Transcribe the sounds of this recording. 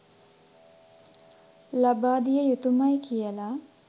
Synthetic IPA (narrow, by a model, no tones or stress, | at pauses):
labaːd̪ijəjut̪umajkijəla